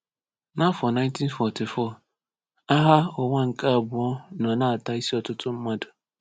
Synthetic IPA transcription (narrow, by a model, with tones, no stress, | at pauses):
na˦fɔ˨na˦ɪ˦n˦ti˦nfɔ˨ti˨fɔ˦˨ | a˦ɦa˦ɔ˨ŋʷa˦ŋ̩˨ka˦a˨bʊ˨ɔ˦nɔ˨na˦a˨ta˨i˦si˦ɔ˦tʊ˦tʊ˦m̩˦ma˦dʊ˨